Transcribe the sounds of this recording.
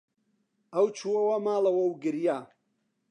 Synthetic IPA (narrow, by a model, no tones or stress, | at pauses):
ɐwt͡ʃʰuɐwɐmaːlɐwɐwɡɨɾja